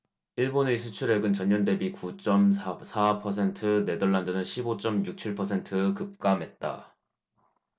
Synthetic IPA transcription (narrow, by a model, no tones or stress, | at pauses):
iɭbonesʰut͡ɕʰuɾe̞ɡɯnt͡ɕʌɲːʌnde̞bikut͡ɕ͈ʌmsasʰapʰʌsʰe̞ntʰɯne̞dʌɭːandɯnɯnɕʰibot͡ɕ͈ʌmjuk̚t͡ɕʰiɭpʰʌsʰe̞ntʰɯkɯp̚k͈amɦe̞t̚t͈a̰